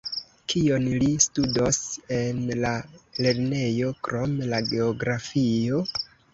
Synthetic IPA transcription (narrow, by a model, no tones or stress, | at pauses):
kʰio̞nlistudose̞nlale̞ɾne̞jo̞kɾo̞mlaɡe̞oɡɾafio̞